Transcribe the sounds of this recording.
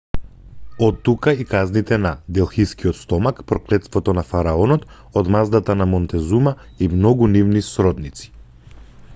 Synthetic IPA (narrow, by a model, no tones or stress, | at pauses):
ɔt̪ːukaikaznit̪ɛnad̪ɛlˠxiskiɔt̪st̪ɔmakpɾɔklɛt̪st̪vɔt̪ɔnafaɾaɔnɔt̪ | od̪mazd̪at̪anamɔnt̪ɛzuma | imnɔɡunivnisɾɔd̪nit̪si̥